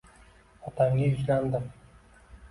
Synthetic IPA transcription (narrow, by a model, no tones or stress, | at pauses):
ɒt̪ʰamʲɪʊzland̪ɪm